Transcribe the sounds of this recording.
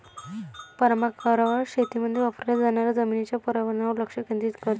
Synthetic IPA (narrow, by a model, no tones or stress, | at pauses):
pəɾmakəɾaʋəɾɕet̪iməd̪ʱjeʋapɾljad͡zaɳaɾjad͡zəminit͡ɕjapəɾaʋənauɾləkʂəkẽnd̪iːt̪kət̪